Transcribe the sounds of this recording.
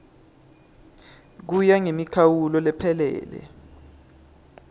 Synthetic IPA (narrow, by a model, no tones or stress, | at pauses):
k̬ujaŋemikʰawulɔlɛpʰɛlɛ̰ːlɛ̰